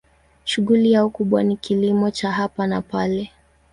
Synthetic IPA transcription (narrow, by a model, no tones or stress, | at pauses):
ʃuɣulijaukuɓwanikilimɔt͡ʃaɦapanapalɛ